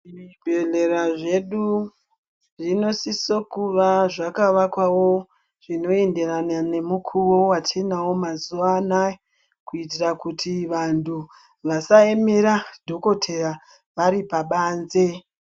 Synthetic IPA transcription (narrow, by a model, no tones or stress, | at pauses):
ibʱeɮe̞ɾaʐe̞ɗu | ʐino̞sisokuʋaʐakaʋakwawo̞ | ʐ̥ino̞e̞nde̞ɾanane̞mukʰuʋo̞watenawo̞mazuʋaːnae | kuit̬irakutiʋantʰu | ʋasaemeɾadʱo̞ko̞tʰe̞ra | ʋaɾipaɓaːnze̞